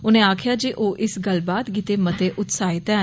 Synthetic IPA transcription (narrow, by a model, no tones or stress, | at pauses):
ʊnẽːaːkʰjaːd͡ʒeːʔoːʔɪsɡəlbaːt̪ɡiːt̪eːmət̪eːʔʊt̪saːɪt̪ɛː